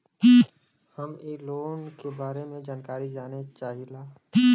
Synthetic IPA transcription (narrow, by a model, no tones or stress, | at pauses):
həmeːloːnkebaːɾemẽd͡ʒaːnkaːɾid͡ʒaːnet͡ʃaːɦilaː